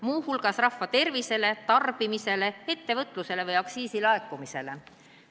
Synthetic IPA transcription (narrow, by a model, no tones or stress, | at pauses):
muːhulɡ̥ɑsrɑfːɑt̪e̞rvise̞le̞t̪ɑrb̥imise̞le̞e̞t̪ːe̞vɤt̪ːˑluse̞le̞vɤjɑksiːsilɑe̞kːˑumise̞le̞